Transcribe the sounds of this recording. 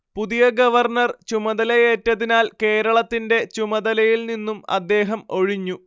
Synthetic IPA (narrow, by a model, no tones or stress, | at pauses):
puðijɐɡɐʋɐrnɐrt͡ɕumɐðɐlɐje̞ːtːɐðinaːlke̞ːɾɐɭɐt̪ːinde̞t͡ɕumɐd̪ɐlɐjilninːumɐ̰d̪ːe̞ːɦɐmo̞ɻiɲːu